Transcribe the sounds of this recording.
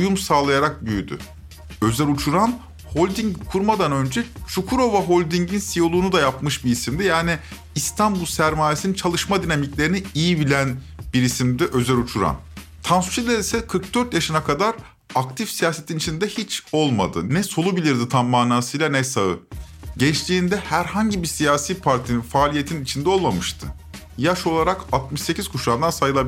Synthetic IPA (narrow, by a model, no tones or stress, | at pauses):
ujumsaːlˠajaɾak̚byjyd̪y̰ | ø̞zælʲut͡ʃʰuɾam | ho̞lʲd̪iŋɟkʰuɾmad̪anø̞nd͡ʒɛt͡ʃʰukʰuɾo̞vaɦo̞lʲd̪iɲɟinsijo̞lˠuːnud̪ajapmɯʃbiisimd̪ijaːniː | st̪ʰanbulˠsæɾmaːjesinint͡ʃʰalˠɯʃmad̪inamiclʲe̞ɾiniijibilʲæn | biɾisimd̪iʔø̞zælʲut͡ʃʰuɾa̰m | t̪ʰansu̥t͡ʃʰilʲeɾisɛkʰɯɾk̚d̪øɾt̪jaʃɯnakʰad̪aɾ | akt̪ʰifsijaːse̞t̪ʰinit͡ʃʰind̪ɛhit͡ʃo̞lˠma̰d̪ɯ̰nɛso̞lˠubilʲiɾd̪it̪ʰammaːnaːsɯjlʲˠanɛsaɯ̰ | ɟɛt͡ʃt̪ʰiːnd̪ɛhæɾhaɲɟibisijaːsiːpʰaɾt̪ʰininfaːlʲije̞t̪ʰininit͡ʃʰind̪ɛo̞lˠmamɯʃt̪ʰɯ | jaʃo̞lˠaɾakat̪mɯʃse̞cʰiz̥kʰuʃaːnd̪ansajɯlˠabi